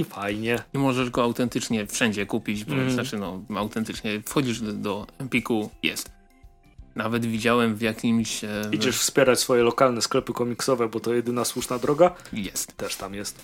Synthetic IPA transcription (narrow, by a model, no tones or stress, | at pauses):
ifajɲɛimɔʐɛʐɡɔawt̪ɛnt̪ɘt͡ʂɲɛfʂɛɲd͡ʑɛkupʲit͡ɕbɔnat͡ʂɘnɔawt̪ɛnt̪ɘt͡ʂɲɛfxɔd͡ʑiʐd̪ɔɛmpʲikujɛ̰st̪ | navɛd̪vʲid͡ʑawɛmvʲjakʲimɕid͡ʑɛʂfspʲjɛɾat͡ɕsfɔjɛlɔkalnɛsklɛpɘkɔmʲiksɔvɛbɔt̪ɔjɛd̪ɘnaswuʂnad̪ɾɔɡajɛst̪t̪ːɛʂt̪amjɛst̪